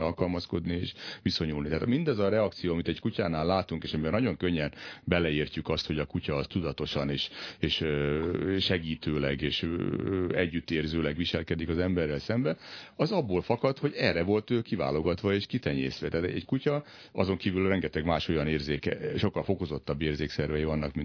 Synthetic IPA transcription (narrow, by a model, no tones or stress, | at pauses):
ɒlkɒlmɒsko̞d̪nieːʃʋiso̞ɲulnit̪aːt̪mind̪ɒzɒɾɛɒk̚t̪sijoːɒmit̪ɛɟkucaːnaːlːaːt̪uŋkeːʃɒmiɛnɒɟo̞ŋkøɲːɛnbɛlɛiːrcykɒst̪ho̞ɟɒkucɒːst̪ud̪ɒt̪o̞ʃɒneːʃeːʃøʃɛɡiːt̪øːlɛɡeːʃ | ɛɟːyt̪ːeːrzøːlɛɡʋiʃɛlkɛd̪ikɒzɛmbɛrːɛlsɛmbɛɒzɒbːoːlfɒkɒt̪ho̞ɟɛrɛvo̞lt̪øːkiva̰ːlo̞ɡɒt̪ʋɒeːʃkit̪ɛɲḛːsʋɛt̪ɛːt̪ɛɛ̰ckucɒ | ɒzo̞ŋkiːvylrɛŋɡɛt̪ɛɡmaːʃo̞jɒneːrzeːkɛʃo̞kːɒlfo̞ko̞zo̞t̪ːɒbːeːrzeːksɛrvɛjivɒnːɒkmin